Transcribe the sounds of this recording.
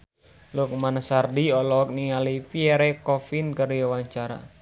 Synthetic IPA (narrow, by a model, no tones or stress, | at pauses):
luk̚manasardiɔlɔk̚niŋalipiɛɾɛkɔfinkəɾiawaɲt͡ʃaɾa̰